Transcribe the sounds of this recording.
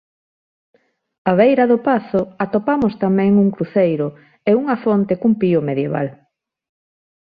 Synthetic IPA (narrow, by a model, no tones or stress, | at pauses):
aβejɾaðopaθʊat̪opamost̪amɛ̃ŋuŋkɾuθejɾʊ | euŋafont̪ekumpiomeðjeβa̰l